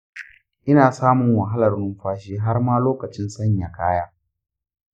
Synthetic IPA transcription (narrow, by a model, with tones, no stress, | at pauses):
ʔɪ˦naː˨saː˦mʊ˨ŋwɐ˨ɦa˦lɐ˨rnʊ˦mɸaː˦ʃ̬iː˦ɦa˦rmaː˦loː˦kɐ˨t͡ʃɪ˦nsɐ˦ɲja˨kʰaː˦jaː˦